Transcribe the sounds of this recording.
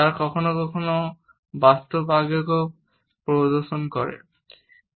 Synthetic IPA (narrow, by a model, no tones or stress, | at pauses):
aɹkɔkʰonokɔkʰono | bast̪obaɡjoko | pɹod̪oɾʃonkɔɹɛ̰